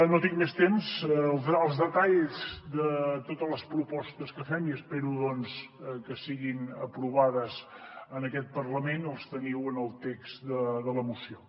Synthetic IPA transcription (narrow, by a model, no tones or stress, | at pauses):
not̪iŋmest̪emzlˠəlˠzðət̪aʎzd̪ət̪ot̪ələspɾupɔst̪əskəfɛmiəspɛɾuðɔnskəsiɣinəpɾuβaðəzənəkɛt̪̚pərləmenəlˠst̪əniwənəlˠt̪ɛksd̪əðələmusio